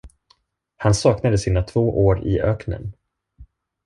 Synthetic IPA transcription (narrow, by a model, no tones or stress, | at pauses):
hansɑːknad̪əsiːnat̪ʰv̥oːʔoːɾɪ̰ʔœːknə̰n